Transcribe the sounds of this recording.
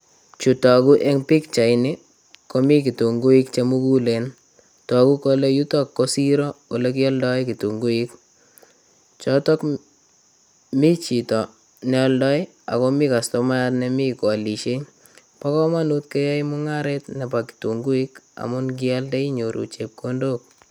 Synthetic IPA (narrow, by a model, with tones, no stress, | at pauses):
t͡ʃu˨tɔ˨ku˦ʔe˦ŋpi˦kt͡ʃa˨ɪne˦ | ko˦mi˦ki˨tu˨ŋɡu˦i˦kt͡ʃe˦mu˦ku˦le˨n | tɔ˨ku˦ko˦le˦ju˦tɔ˦kːo˦si˦ɾɔ˦ko˨le˦ki˦ɔ˦ldɔ˦jki˨tu˨ŋɡu˦i˦k̚ | t͡ʃɔ˦tɔ˦k | mi˦t͡ʃi˨tɔ˨ | nɛ˦ɔ˦ldɔ˦j | a̰˨ko˦mi˦ka˨sto˦ma˦a˦tne˨mi˦ka˨li˨ʃe˦ | pa˦kɔ˦ma˦nu˦t̚ke˦ja˦jmu˦ŋa˦ɾetnɛ˨pa˨ki̥tu˨ŋɡu˦i˦ka̰˨mʊ˦nɡ̬ɪ˦a˦lde˦i˦ɲo˨ɾʔṵ˨t͡ʃe˨p̚kondo˦k̚